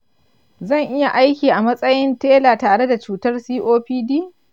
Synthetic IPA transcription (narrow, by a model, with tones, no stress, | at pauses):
zɐ˦˨ŋʔɪ˦ja˨ʔa˦jkʲiː˨ʔa˨mɐ˦sʼɐ˦jɪ˦nteː˦laː˨taː˨ɽe˦da˨t͡ʃuː˨tɐ˦rsiː˦ʔoː˦ɸiː˦diː˦